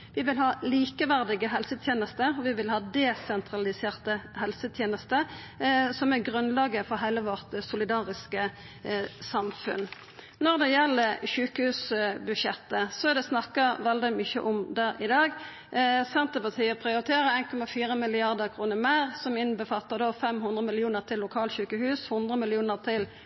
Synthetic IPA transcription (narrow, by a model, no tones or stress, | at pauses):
ʋɪʋɪlɦɑːliːkəʋæʁd̪ɪɡəɦɛlsət̪ʰjeːnəst̪əɾɔʋɪʋɪlhɑːd̪ɛsɛnt̪ʰɾɑlɪseːʁt̪əhɛlsət̪ʰjeːnəst̪ə | sɔmæɡʁʉnlɑːɡəfɔɾɦæɪləʋɔʁt̪sʊlɪd̪ɑːʁɪskə | sɑmfʉ̰n | nɔʁd̪ɛjɛlːəɕʉːkəhʉːsbʉdʃɛt̪ːəsɔɛd̪ɛsnɑkːəʋɛld̪ɪmʏçə̰ʔɔmd̪æʁɪd̪ɑːɡ | sɛnt̪əpɑt̪ʰiːəpʰɾɪʊɾɪt̪ʰeːʁəʁeɪnkʰɔmɑfiːʁəmɪlɪɑʁd̪əʁkʰʁuːnəmæɪʁsɔmɪnbəfɑlt̪ːəd̪oːfɛmhʉnd̪ʁəmɪlɪuːnəʁt̪ʰɪlːʊkʰɑːlçʉːkəhʉːshʊnd̪ʁəmɪlɪuːnəʁt̪ʰɪl